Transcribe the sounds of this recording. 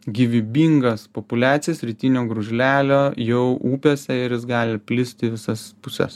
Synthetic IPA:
ɡʲiʋʲɪbʲiːŋɡɐspopʊlʲæːt̪sʲɪjɛsɾʲiːt̪ʲinʲoːɡɾʊʒʲlʲæːlʲoːjɛʊʔuːpʲoːsʲɛɪɾjɪsɡɑːlʲɪpʲlʲɪsʲt̪ʲɪʋʲɪsɐspʊsʲɛ̰s

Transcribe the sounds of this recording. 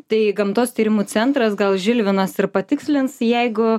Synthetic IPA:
t̪ɐɪɡɐmt̪oːst̪ʲiːɾʲɪmuːt͡s̪ʲɛnt̪ɾɐsɡɐlˠʒʲɪlʲʋʲɪnɐsɪɾpɐt̪ʲɪksʲlʲɪnsjɛɪɡʊ

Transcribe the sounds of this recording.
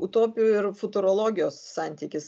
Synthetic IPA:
ʊt̪oːpʲɪjuɪɾfʊt̪ʊɾoːlˠoːɡʲɪjoːsːɑˑnʲt̪ʲiːkʲɪs

